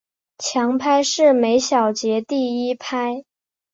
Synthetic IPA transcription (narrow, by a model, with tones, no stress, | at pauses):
t͡ɕʰjɑ˧˥ŋpʰa˥ɪʂɻ̩˥˩me˧˥ɪɕjɑ˨˩ʊt͡ɕjɛ˧˥t̪i˥˩˧i˥pʰa˥ɪ